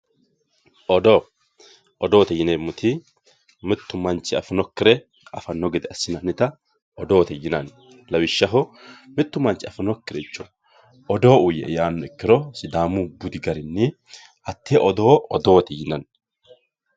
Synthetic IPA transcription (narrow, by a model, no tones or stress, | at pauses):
ʔɔd̪oː | ʔɔd̪oːt̪ɛjɪnemːʊt̪ɪ | mɪt̪ːʊmɐnt͡ʃːɪɐfɐnɔkːɪɾɛ | ɐfɐnːɔɡɪd̪ɛɐsːɪnɐnɪt̪ɐ | ɔd̪o̞ːt̪ɛjːɪnɐn | lɐwɪʃːɐɦɔmɪt̪ːʊmɐnt͡ʃːɪɐfɐnɔkːɪɾɛt͡ʃːɔ | ɔd̪o̞ːʔʊjɛ̰ʔjaːnːɔɪkːɪɾɔsɪd̪aːmubʊd̪ɪɡɐɾɪnːɪ | ʔɐt̪ːeʔɔd̪oːɔd̪oːt̪ɛjɪnɐn